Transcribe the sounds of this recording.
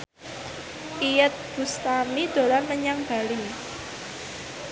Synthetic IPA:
ʔijət̪̚b̥ṳst̪amid̪̥o̤lanməɲaŋɡ̥a̤li

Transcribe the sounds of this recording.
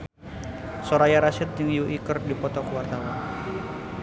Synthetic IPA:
sɔɾajaɾasɪt̪̚d͡ʒəŋjuʔikərdipɔt̪ɔkwart̪awan

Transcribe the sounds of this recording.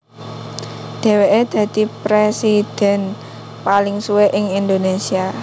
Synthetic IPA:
d̪̥e̤weʔed̪̥ä̤d̪i̤pɾesid̪̥ɛ̤n | palɪŋsuweʔɪŋind̪onesia

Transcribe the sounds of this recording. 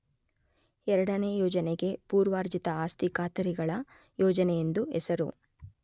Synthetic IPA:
ɛɾɐɽɐne̞ːjɔːd͡ʒɐneɡe̞puːɾʋaːɾd͡ʒit̪ɐaːst̪ikaːt̪ɐɾiɡɐɭɐ | jɔːd͡ʒɐnɛjend̪uɛsɐɾṵ

